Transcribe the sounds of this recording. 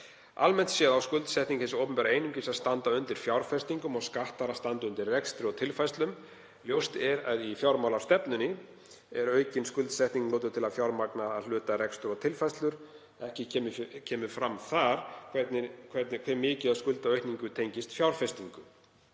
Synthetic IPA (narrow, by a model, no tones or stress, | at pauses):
almɛn̥t̪sjɛːðawskʏlt̪sɛht̪niŋkθesʏowpʏmpɛːɾaejnʏmcɪsaðst̪ant̪aʏnt̪ɪɾ̥fjawɾ̥fɛst̪iŋkʏmɔɣskaht̪aɾast̪ant̪ʏʏnt̪ɪɾrɛkst̪ɾʏɾɔɣt̪ʰɪlfajst̪lʏm | ljowst̪ɛɾaðifjawɾmawlawst̪ɛpnʏnɪ | ɛɾœːɥcɪnskʏlt̪sɛht̪niŋkloːt̪̬ʏt̪ʰɪlaðfjawɾmaknaaðl̥ʏːt̪aɾɛkst̪ʏɾɔɣt̪ʰɪlfajst̪lʏɾ̥ | ɛhcɪcʰɛːmcʰɛːmʏfɾamθaɾ̥kʰvɛt̪nɪkʰv̥ɛɾt̪nɪkʰɛɾmɪːcɪðaðskʏlt̪aœɥht̪niŋkʏt̪ʰejɲcɪst̪fjawɾ̥fɛst̪iŋkʏ